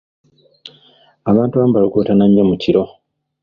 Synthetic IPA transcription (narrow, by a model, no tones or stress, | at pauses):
aβaːntuβaːmbalikoːtanaɲemuciɾo̞